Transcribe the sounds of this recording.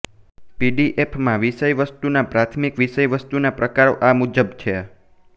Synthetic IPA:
piɖiʔepʰmãʋiʃəjʋəst̪unapɾat̪ʰmikʋiʃəjʋəst̪unapɾəkaɾoʔamud͡ʒəbt͡ʃʰe

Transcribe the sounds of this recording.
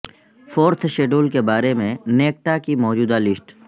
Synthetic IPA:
fʰoːɾt̪ʰʃeːɖoːlkebaːɾemẽneːk̚ʈakimɔːd͡ʒuːd̪alɪsʈ

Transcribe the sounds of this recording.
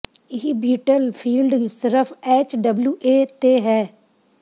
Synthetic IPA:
ɪɦibiːʈəlpʰiːlɖsɪɾəpʰɛːt͡ʃɖəbljuːʔeːt̪eːɦɛː

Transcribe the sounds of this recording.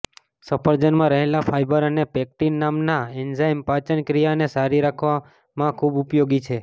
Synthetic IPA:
səpəɾd͡ʒənmãɾəɦelafʰajbəɾənepɛk̚ʈinːamnaɛnzajmpat͡ʃənkɾijanesaɾiɾakʰʋa | mãkʰubʊpjoɡit͡ʃʰe

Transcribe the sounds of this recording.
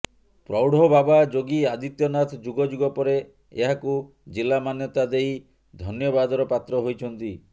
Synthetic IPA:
pɾɔwɽ̤ʱɔbabad͡ʒoɡiad̪it̪jɔnat̪ʰd͡ʒuɡɔd͡ʒuɡɔpɔɾe | ḛɦaku | d͡ʒilːamanjɔt̪ad̪eij | d̪ʱɔnjɔbad̪ɔɾɔpat̪ɾɔɦojt͡ʃʰɔnt̪i

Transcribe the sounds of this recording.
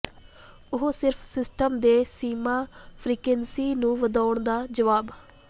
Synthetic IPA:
ʊɦosɪɾpʰsɪsʈəmd̪eːsiːmãːpʰɾiːkensiːnũːʋəd̪aːʊɳd̪aːd͡ʒəʋaːb

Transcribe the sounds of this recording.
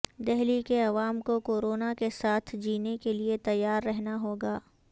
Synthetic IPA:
d̪ɛɦlikeɐʋaːmkokoːɾoːnakesaːt̪ʰd͡ʒiːnekeliet̪ɐjːaːɾːɛɦnaɦoːɡaː

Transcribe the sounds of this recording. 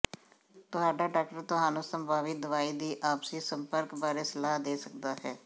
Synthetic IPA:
t̪ʊɦaːɖaːɖaːk̚ʈəɾt̪ʊɦaːnũːsəmbaːʋiːd̪ʊʋaːiːd̪iːʔaːpsiːsəmpəɾkbaːɾeːsəlaːɦd̪eːsək̚d̪aːɦɛː

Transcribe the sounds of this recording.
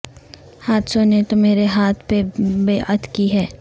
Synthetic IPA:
haːt̪sõnet̪omeːɾeɦaːt̪ʰpebeːʔət̪ʰkiɦɛː

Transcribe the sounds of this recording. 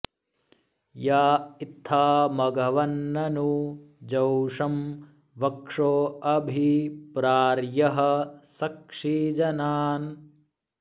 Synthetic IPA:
jaːit̪ʰːaːmɐɡɐʋɐnːɐnud͡ʒɐwʂɐm | ʋɐkʂoːɐbʱipɾaːɾjɐɦɐ̆sɐkʂiːd͡ʒɐnaːn

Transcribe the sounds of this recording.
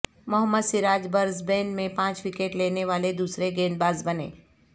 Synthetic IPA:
mʊɦəmːəd̪sɪɾaːd͡ʒbəɾzbɛ̃ːnɖmẽpãːt͡ʃwɪkeːʈleːneʋaːled̪uːsɾeɡeːnbaːzbənḛː

